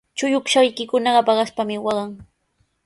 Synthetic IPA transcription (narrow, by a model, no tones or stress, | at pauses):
t͡ʃʊjʊkʃajkɪkʊnɑɢɑpɑɢɑʃpamɪwɑɢɑŋ